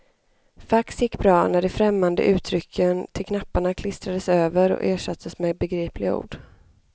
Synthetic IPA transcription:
faksjɪkːbɾɑːnæɖɛfɾɛmːand̪ə̰ʔʉ̟ːt̪ʰɾʏkʰːənt̪ʰɪlkʰnapːaɳakʰlɪst̪ɾad̪əsøːvəɾɔ̰ʔeːʂat̪ʰːəsmɛbɛɡɾiːpʰlɪɡaṵːɖ̥

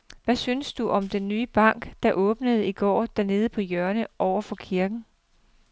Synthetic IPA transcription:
ʋæsynsd̥uʔɒ̽md̥enːyːəb̥ɑ̈ŋ̰ɡ̥d̥ɑ̈ʔɔ̽ːb̥nəð̞̩ˠiɡ̥ɒ̰ːd̥æɐne̝ːð̞ˠəpʰɒ̽jœɐnəʔɒʊɐfɒ̽kʰiɐɡ̥n̩

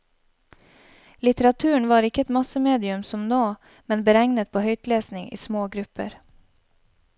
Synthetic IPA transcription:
lɪt̪əɾɑt̪ʰʉːəɳ̩ʋɑːɾɪkəɛt̪mɑsəmeːd̪ɪʉmsɔmnoː | mɛnbəɾɛŋnət̪̚pʰoːhœʏt̪leːsnɪŋʔḭːsmoːɡɾʉpə̰ɾ

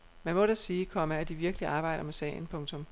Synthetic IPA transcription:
mænmɔ̽ɾæsiːkʰɒ̽məæd̥iʋiɐɡ̥əliɑ̈ːb̥ɑ̈ɪ̰ɾ̥ɐmesɛ̰ɪn̩pʰɔ̽ŋt͡sʰɔ̽m

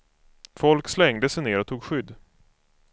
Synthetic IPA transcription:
fɔlkslɛŋd̪əsɛjneːɾɔt̪ʰuːɡɧʏd̪ː

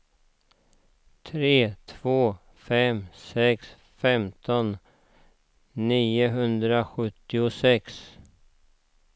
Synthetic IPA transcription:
t̪ʰɾeːt̪ʰv̥oː | fɛmsɛks | fɛmt̪ʰɔn | iːʊɦɵnd̪ɾaɧɵt̪ːɪʊsɛks

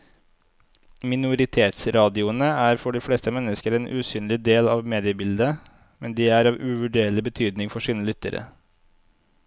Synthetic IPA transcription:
mɪnʊɾɪt̪ʰeːt̪sɾɑːd̪ɪʊənəæːɾfɔɖiːfɽeːst̪əmɛnəskəɾeːnʔʉ̰ːsyːnlɪd̪eːlɑːʋmeːd̪ɪəbɪld̪ə | mɛnd̪iːæːɾɑːʋʉʋʉɖeːɭɪbət̪ʰyːd̪nɪŋfɔʂiːnəlʏt̪ə̰ɾə̰

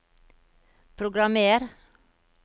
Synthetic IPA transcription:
pʰɾʊɡɾɑmeːɾ

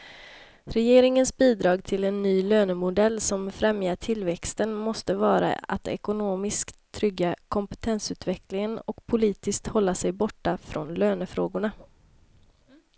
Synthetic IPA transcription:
ɾɛjeːɾɪŋənsbiːd̪ɾɑːɡt̪ʰɪlɛnːyːløːnəmʊd̪ɛlːsɔmfɾɛmjaʈʰɪlːvɛkst̪ənmɔst̪əvɑːɾa̰a̰t̪ɛ̰kʊnoːmɪskt̪ʰːɾʏɡːakʰɔmpɛt̪ʰɛnsʉ̟ːt̪vɛklɪŋənɔkpʰʊliːt̪ɪskt̪hɔlːasɛjbɔʈːafɾɔnløːnəfɾoːɡʊɳa

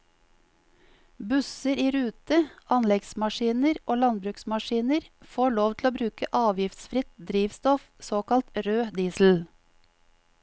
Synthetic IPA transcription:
bʉsəɾiːɾʉːt̪əɑnlɛɡsmɑʃiːnəɾʔoːlɑnbɾʉːksmɑʃiːnəɾfoːɭoːʋt̪ʰl̩oːbɾʉːkəʔɑːʋjɪft̪sfɾɪt̪̚d̪ɾiːʋst̪ɔfsoːkɑlt̪ɾøːd̪iːsl̩

